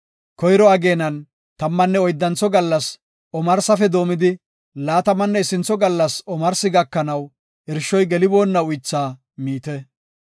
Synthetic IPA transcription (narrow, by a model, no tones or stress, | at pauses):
kɔjɾɔɐɡe̞ːnɐn | t̪ɐmːɐnːɛɔjd̪ːɐnt͡sːɔɡɐlːɐs | ɔmɐɾsɐfɛd̪o̞ːmɪd̪ɪ | laːt̪ɐmɐnːɛɪsɪnt͡sːɔɡɐlːɐsɔmɐɾsɪɡɐkːɐnɐw | ɪɾʃːɔjɡɛlɪbo̞ːnːɐʊjt͡sːaː | miːt̪ɛ